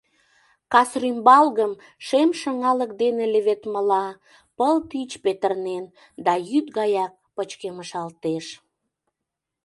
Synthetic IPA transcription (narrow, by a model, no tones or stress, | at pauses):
kɑsrimbɑlɣəm | ʃemʃəŋɑlək̚d̪eneleβet̪məlɑ | pəlt̪it͡ɕpet̪ərnen | d̪ɑjyt̪̚ɣɑjɑk̚pət͡ɕkeməʃɑlt̪eʃ